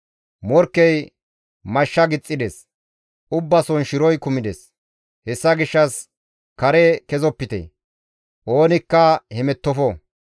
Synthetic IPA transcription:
mɔɾkːɛj | mɐʃːɐɡɪt͡sʼːɪd̪ɛs | ʔʊbːɐsɔnʃɪɾɔjkʊmɪd̪ɛs | hɛsːɐɡɪʃːɐs | kɐɾɛkɛzɔpːɪt̪ɛ̰ | ʔo̞ːnɪkːɐhɛmɛt̪ːɔfɔ

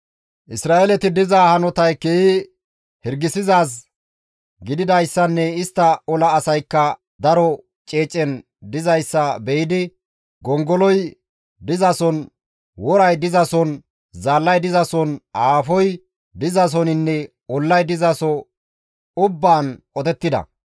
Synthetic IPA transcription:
ʔɪsɾaːʔɛlɛt̪ɪd̪ɪzaːhɐnɔt̪ɐjkeɪ | hɪɾɡɪsɪzaːs | ɡɪd̪ɪd̪ɐjsːɐnːɛɪst̪ːɐɔlɐːsɐjkːɐ | d̪ɐɾɔ | t͡ʃʼeːt͡ʃʼːɛn | d̪ɪzɐjsːɐbɛjɪd̪ɪ | ɡɔŋɡɔlɔj | d̪ɪzɐsɔn | wɔɾɐjd̪ɪzɐsɔn | zaːlːɐjd̪ɪzɐsɔnaːfɔj | d̪ɪzɐs̬ɔnɪnːɛ | ɔlːɐjd̪ɪzɐsɔ | ʊbːaːnkʼɔt̪ɛt̪ːɪd̪ɐ̰

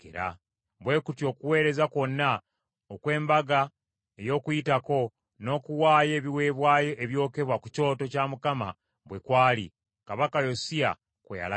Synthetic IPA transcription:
kḛɾa̰ | βwe̞ːkutjo̞ːkuwe̞ːɾe̞zako̞nːa | okwe̞ːmbaɡa | e̞jo̞kujitako̞ | no̞ːkuwaːje̞ːβiwe̞βwaːjo̞ʔeβjo̞ːke̞βwakuco̞ːto̞caːmukama̰ | βwe̞kwaːlḭ | kaβakajo̞sia̰ | kwḛja̰la

